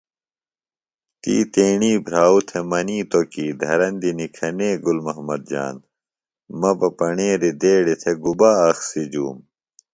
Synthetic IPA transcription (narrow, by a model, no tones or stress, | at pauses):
t̪ḭːt̪eːɳiːbʱɾaːut̪ʰemɐniːt̪okiːd̪ʱɐɾɐnd̪inikʰɐneːɡulmɐɦmɐd̪̚d͡ʑa̰ːn | mɐbɐpɐɳẽːɾid̪eːɽit̪ʰeɡubaːɐxsid͡ʑṵːm